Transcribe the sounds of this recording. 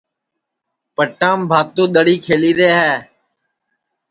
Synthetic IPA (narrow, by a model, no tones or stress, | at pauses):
pəʈãːmbʱaːt̪ũːɗ̪əɽiːkʰeːliːɾeːɦɛː